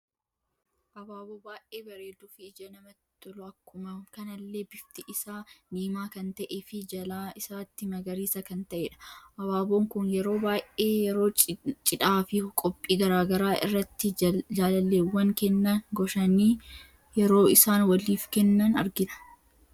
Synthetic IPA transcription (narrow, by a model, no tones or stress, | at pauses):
ʔɐbaːboːbaːʔeːbɐɾeːd̪uːfɪːd͡ʒɐnɐmɐt̪ːɪt̪ɔlʊɐkːʊmɐmkɐnɐlːe̞ːbɪft̪ɪʔɪsaːniːmaːkɐnt̪ɐʔefɪd͡ʒɐlaːɪsaːt̪ːɪmɐɡɐɾiːsɐkɐnt̪ɐʔeːᶑɐ̥ʔɐbaːboːŋkʊnjɛɾo̞ːbaːʔʔeːjɛɾo̞ːt͡ʃʼɪᶑaːfɪkʼɔpʼːiːɡɐɾaːɡɐɾaːʔɪ̰rːɐt̪ːɪd͡ʒaːlɐlːeːwːɐŋkɛnːɐnɡɔʃɐniː | jɛɾo̞ːɪsaːnwɐliːfkɛnːɐnɐ̰ɾɡɪᶑɐ̥